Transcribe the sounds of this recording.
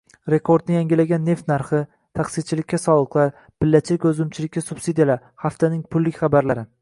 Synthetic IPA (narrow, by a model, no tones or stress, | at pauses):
ɾe̞kʰo̞ɾd̪nɪjaŋɡʲɪlaɡʲanːe̞ft̪naɾχɪ | t̪ʰaχsɪt͡ʃʰɪlɪkʲːasɒlˠɨqlˠaɾ | b̥ɪlːat͡ʃʰlɪkʲɵzʊmt͡ʃʰɪlɪkʲːasʊb̥sid̪ijalaɾ | χaft̪ʰanɪŋpʰʊlːɪkʲχabaɾlaɾɪ